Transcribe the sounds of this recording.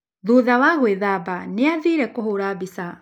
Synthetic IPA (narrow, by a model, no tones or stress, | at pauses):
ðuːðawaɣweðabaneaðiːɾɛkohoɾaːbisa